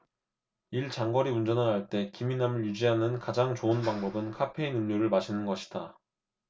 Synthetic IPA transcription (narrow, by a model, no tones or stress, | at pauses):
iɭt͡ɕaŋɡʌɾiund͡ʑʌnanɦaɭt͈e̞kiminamɯɭjud͡ʑiɦanɯnkad͡ʑaŋt͡ɕoɯnpaŋbʌbɯnkʰapʰe̞inunɲoɾɯɭmaɕʰinɯnɡʌɕʰi̥d̥a